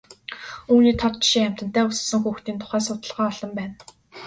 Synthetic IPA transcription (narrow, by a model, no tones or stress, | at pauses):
uːniːt̪ʰɔt̪̚t͡ɕʃiŋæm̥ʲt̪ə̥̆t̪æːʊsə̆sə̆ŋxuːxt̪iːnt̪ʰʊ̥χæːs̬ʊt̪ə̆ɮʁæːɔɮɞ̆mpæːn